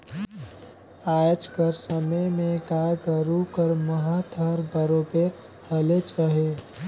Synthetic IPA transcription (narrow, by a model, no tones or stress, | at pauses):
aːjət͡ʃkəɾsəməjmẽkaːjkəɾukəɾməɦat̪ʰəɾbəɾoːpe | həlet͡ʃaɦe